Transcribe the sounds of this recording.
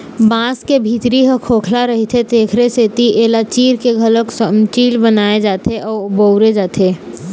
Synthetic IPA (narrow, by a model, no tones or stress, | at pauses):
bãːskebʱiːt̪ɾiɦəkʰoːkʰlaɾəɦit̪ʰet̪eːkʰɾeset̪iʔeːlat͡ʃiːɾkeɡʱələksəmt͡ʃiːlbənaːed͡ʒaːt̪eʔɔːbəʊɾed͡ʒaːt̪ʰeː